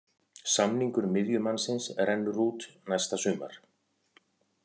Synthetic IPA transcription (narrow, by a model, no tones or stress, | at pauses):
samniŋkʏɾmɪðjʏmansɪnsɛɾɛnːʏruːt̪najst̪asʏːma̰ɾ̥